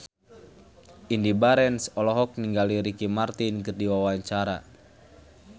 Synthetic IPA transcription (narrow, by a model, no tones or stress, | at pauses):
indibaɾɛnsɔlɔɦɔk̚niŋɡaliɾikimart̪inkɨrdiwawaɲt͡ʃaɾa̰